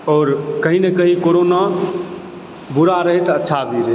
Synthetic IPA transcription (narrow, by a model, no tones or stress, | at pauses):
ɔːɾkəɦinekəɦikoɾona | buɾaɾəɦɛt̪ətːʃʰabʱiɾe